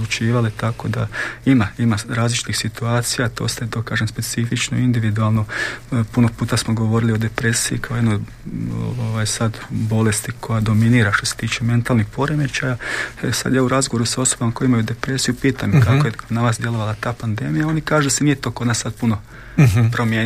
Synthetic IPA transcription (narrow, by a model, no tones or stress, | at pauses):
d̪lut͡ʃiːʋalit̪ako̞d̪aimaimaɾaːzlit͡ʃi̥t̪ixsit̪uaːt̪sijat̪o̰ːst̪et̪okaːʒemspe̞t̪sifit͡ʃnoind̪iʋid̪ualˠno̞puno̞puːt̪asmoɡo̞ʋo̞ɾilio̞d̪e̞pɾe̞sijḭkaojenoj | o̰o̰ʋajsad̪bo̞le̞st̪ikʰo̞jad̪o̞miniːɾaʃt̪o̞set̪iːt͡ʃe̞me̞nt̪alˠnixpo̞ɾe̞met͡ʃajaesa̰d̪jaːuɾazɡoʋo̞ɾusao̞sobamako̞jimajud̪e̞pɾe̞sijupiːt̪amkakojenaʋaːsd̪je̞lˠo̞ʋalat̪aːpand̪e̞ːmijao̞nikaːʒud̪asenijet̪o̞ːkod̪nasad̪̚puno̞ | pɾomjeː